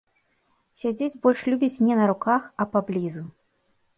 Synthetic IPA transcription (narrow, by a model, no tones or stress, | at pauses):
sʲad͡zʲed͡zʲbɔlʲʂlʲubʲit͡sʲnʲɛnɐɾukaxɐpablʲizu